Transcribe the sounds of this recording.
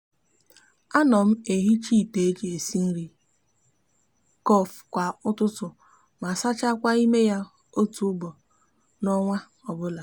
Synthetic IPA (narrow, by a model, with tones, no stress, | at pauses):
a˦nɔ˨m̩˦e˨ɦi˦t͡ʃi˦˨te˨˦d͡ʒe˨si˦n̩˦ɾi˦ | kɔ˦˨fkʷa˨ʊ˦tʊ˦tʊ˨ | ma˨sa˦t͡ʃa˦kʷa˦i˦me˦ja˦ | o˦tu˨ʊ˦bɔ˨ | nɔ˦ŋʷa˦ | ɔ˨bʊ˦la˨